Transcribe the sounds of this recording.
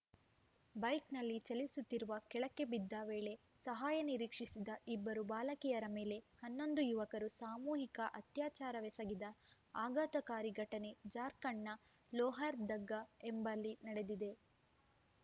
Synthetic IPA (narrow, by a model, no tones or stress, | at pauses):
bɐjknɐlːit͡ʃɐlisut̪ːiɾuʋɐkɛɭɐkːe̞bid̪ːaːʋeːɭe̞ | sɐɦaːjɐniɾiːkʂisid̪ɐibːɐɾubaːlɐkijɐɾɐme̞ːle̞hɐnːo̞nd̪ujuʋɐkɐɾusaːmuːɦikɐʔɐt̪jaːt͡ʃaːɾɐʋɛsɐɡid̪ɐ | aːɡaːt̪ɐkaːɾiɡʱɐʈɐne̞d͡ʒaːɾkɐɳːɐ | lɔːɦaɾd̪ɐɡːɐembɐlːinɐɽe̞d̪id̪e̞